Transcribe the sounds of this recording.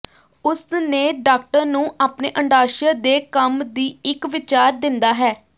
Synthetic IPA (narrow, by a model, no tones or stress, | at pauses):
ʊsneːɖaːkʈəɾnũːʔaːpneːʔəɳɖaːʃəːd̪eːkəmd̪iːɪkʋɪt͡ʃaːɾd̪ɪnd̪aːɦɛː